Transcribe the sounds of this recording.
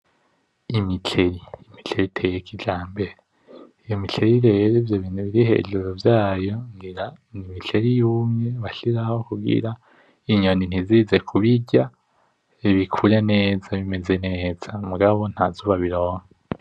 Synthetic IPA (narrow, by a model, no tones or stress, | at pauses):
imit͡ʃe̞ɾiːmit͡ɬeɾitʰe̞jekʰid͡ʒaːmbe̞ɾe | ijo̞mit͡ɬe̞ɾiɾeɾevjoβiːnuβiɾihe̞̰ḭʒuɾovjaːjo̞ŋɡiɾanimit͡ɬe̞ɾijuːmɲe̞βaʃiɾaho̞kubɡḭɾa | iɲo̞nin̥iziːze̞kʰuβiɟa | βikʰuɾene̞ːzaβime̞ze̞neːz̥amuɡaβo̞n̥hazuːβaβiɾo̞ːŋa